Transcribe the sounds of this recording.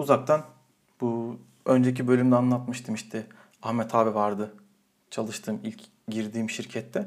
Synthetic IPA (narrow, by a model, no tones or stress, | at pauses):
uzak̚t̪ʰan | bu | ønd͡ʒecʰibø̞lʲymd̪ɛanlˠat̪mɯʃt̪ʰɯmiʃt̪ʰɛ | axmɛt̪ʰaːbɛvaɾd̪ɯ | t͡ʃʰalˠɯʃt̪ʰɯːmilʲc | ɟiɾd̪iːmʃiɾcʰɛt̪ːɛ